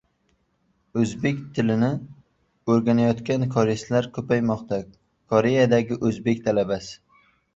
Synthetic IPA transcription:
ɵzbe̞kʲt̪ʰɪlɪnɪ | ɵɾɡʲanajɒt̪kʲankʰɒɾeslaɾkʲʰɵpajmɒqt̪ʰa | kʰɒɾe̞jad̪aɡʲɪʔɵzbe̞kʲt̪ʰalabasɪ̥

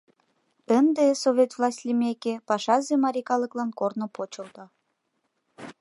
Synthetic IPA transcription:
ənd̪esovʲet̪vlˠɑsʲtʲlʲimekepɑʃɑzemɑɾʲikɑləklɑnkornŏpot͡ɕəlt̪o

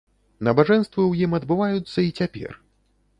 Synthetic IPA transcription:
nɐbaʐɛnst̪vɨwjimɐd̪bɨvajut̪sːɐit͡sʲapʲɛ̰r

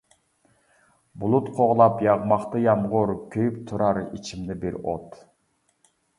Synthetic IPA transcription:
bulˠut̪qʰoʁlˠɑpjɑʁmɑqt̪ɨjɑmʁuɾkʲʰøjypt̪ʰuɾɑɾḭt͡ʃʰimlɪbiɾo̰t̪

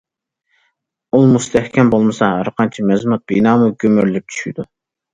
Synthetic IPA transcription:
ulˠmust̪ʰɛhkʲʰɛmbolˠmɨsɑɾəqʰɑnt͡ʃʰimɛzmut̪̚b̥inɑːmuɡʲømyɾlyp̚t͡ʃʰy̥ʃid̪u

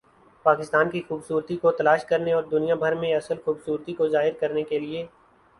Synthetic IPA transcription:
paːkɪst̪aːnkixuːbsuːɾt̪ikot̪ɐlaːʃkɐɾneɔːɾd̪ʊnijãbʱɐɾmẽɐsəlxuːbsuːɾt̪ikozaːɦɪɾkɐɾnekelieː

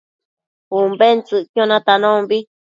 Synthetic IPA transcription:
umbent͡sɨʔkjõnãt̪anõmbi

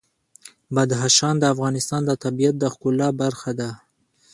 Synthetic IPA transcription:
bad̪ɦaʃɑnd̪əafɣɑnɪst̪ɑnd̪ət̪abijat̪̚d̪əxkʊlɑbaɾxad̪a

